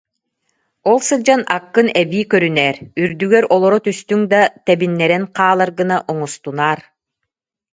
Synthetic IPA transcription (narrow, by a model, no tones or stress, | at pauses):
ɔlˠsɯld͡ʑanakːɯnɛbiːkœɾynɛːɾyɾd̪yɡɛɾɔlˠɔɾɔt̪yst̪yŋd̪at̪ɛbinːɛɾɛnqaːlˠaɾɡɯnaʔɔŋɔst̪unaːɾ